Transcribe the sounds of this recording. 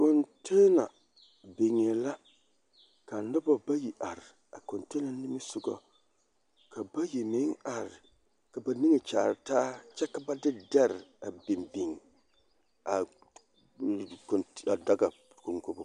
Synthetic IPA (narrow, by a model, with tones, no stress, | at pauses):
ko˨ntʰe˦na˨ | be˨ŋe˨la˦ | ka˨nɨ˦ba˨ba˦ji˨ʔa˨ɾɪ˨ | a˨ko˨nte˦na˨nɪ˦mi˦sʊ˦ɡɔ̰˨ | ka˨ba˦ji˨mi˦ŋa˨ɾɪ˨ | ka˨ba˨ni˦ŋi˨t͡ʃaː˨ɾtaː˦t͡ʃɛ˦ka˦ba˦dɪ˦dɛ˦ɾɪ˨a˨bi˨mbi˨ŋ˨ | a˨ | ka˨da˦ɡa˨ | ko˨ŋko˦bʊ˦